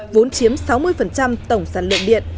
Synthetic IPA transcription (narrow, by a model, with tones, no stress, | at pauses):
vo˨˦nt͡ɕi˨˦əmsa˨˦wmɨ˧əjfə˨˩nt͡ɕa˧mt̪ə˧˩wŋ͡msaː˧˩nlɨ̰˧˨nɗḭ˧˨ən